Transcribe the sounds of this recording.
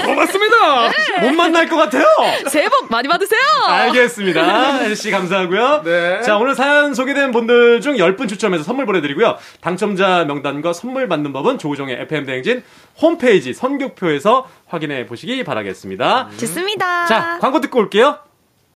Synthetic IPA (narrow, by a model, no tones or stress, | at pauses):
ʌmasɯmɲidamonmanːaɭk͈ʌk͈atʰe̞josebʌk̚maɲibadɯsʰejoaɭɡe̞s͈ɯmɲidaheɭɕ͈ikams̬ʰaɦaɡujot͡ɕaonɯɭsʰajʌns̬ʰoɡedwenbundɯɭd͡ʑuŋjʌɭp͈ɯnt͡ɕʰut͡ɕʰʌmesʰʌsʰʌnːmuɭbʌne̞dɯɾiɡujo | taŋt͡ɕʰʌmd͡ʑamjʌŋdanɡwasʰʌnmuɭmanːɯnbʌbɯnt͡ɕoud͡ʑʌŋe̞ʔepʰɯemdeŋd͡ʑin | hompʰe̞id͡ʑisʰʌnɡjok̚pʰjoe̞sʰʌ | ɸwaɡine̞poɕʰiɡipa̰ɾa̰ɡe̞̰s͈ɯmɲidat͡ɕs͈ɯmɲidat͡ɕakwaŋɡot̬͈ʰɯ̥k͈ooɭk͈e̞jo